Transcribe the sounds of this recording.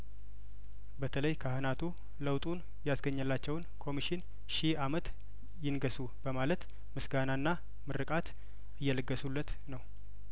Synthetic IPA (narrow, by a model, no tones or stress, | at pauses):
bət̪ʰələjkʰahɨnat̪ʰu | ləwt̪ʼun | jasɡəɲːəlːat͡ʃːɛwnkʰo̞miʃɪn | ʃiamət̪ | jɪnɡəsu | bəmalət̪ | mɨsɡanaɨnːa | mɨɾɨkʼat̪ | ɨjːɛləɡːəsulːət̪ | nəw